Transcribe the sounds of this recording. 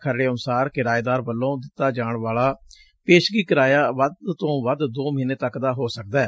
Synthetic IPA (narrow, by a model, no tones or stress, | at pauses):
kʰəɾɽeːənʊsaːɾkɪɾaːeːd̪aːɾbəlːõːd̪ɪt̪ːaːd͡ʒaːɳʋaːlaː | peːʃɡiːkəɾaːjaːʋəd̪t̪õːʋəd̪d̪oːmiːneːt̪əkd̪aːɦoːsək̚d̪aː